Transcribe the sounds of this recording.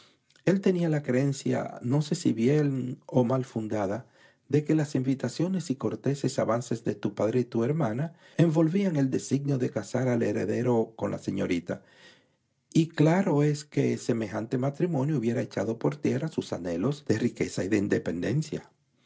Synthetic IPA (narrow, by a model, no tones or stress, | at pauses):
e̞lt̪e̞nialakɾeensja̰no̞se̞siβje̞no̞malfund̪aða | ðe̞ke̞lasimbit̪asjo̞ne̞siko̞ɾt̪e̞se̞saβanse̞zðe̞t̪upaðɾe̞it̪ue̞ɾmana | e̞mbo̞lβiaŋe̞ld̪e̞siɣnjo̞ðe̞kasaɾaleɾe̞̰ðe̞ɾo̞ko̞nlʔa̰se̞ɲo̞̰ɾit̪a | iklaɾo̞e̞ske̞se̞me̞xant̪e̞mat̪ɾimõ̞njouβje̞ɾae̞t͡ʃaðo̞po̞ɾt̪je̞rasusa̰ne̞lo̞zd̪e̞rike̞saiðe̞ind̪e̞pe̞nd̪e̞nsja̰